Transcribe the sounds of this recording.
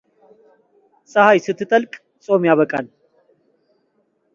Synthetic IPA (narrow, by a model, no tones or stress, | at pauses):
sʼɐhajsɨt̪ʰːɨt̪ʼəlkʼ | sʼo̞mjaβəkʼal